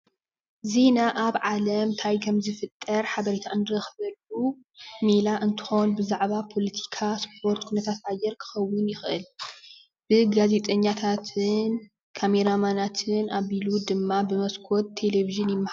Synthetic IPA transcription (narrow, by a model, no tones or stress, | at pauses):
ze̞naʔaβʕalɐmt̪ʰajkʰɐmzɨfɨt̪ʼːɐɾħaβɐɾet̪ʰaʔɨnd̪ɨɾɐxɨβɐlu | melaʔɨnt̪ʰɨ̥xo̞nbɨzaʕβapʰo̞lɐt̪ʰi̥kʰaspʰo̞ɾt̪kʰunɐt̪ʰat̪ajːɛɾkʰɨ̥xɐwːʊnjɪxʔɨl | b̥ɨɡaze̞t̪ʼɐɲːat̪ʰat̪ʰɨn | kʰame̞ɾamanat̪ʰɨnʔaβilud̪ɨmːabɨmɐskʰo̞t̪ʰːe̞leviʒɨnjɪmːɨha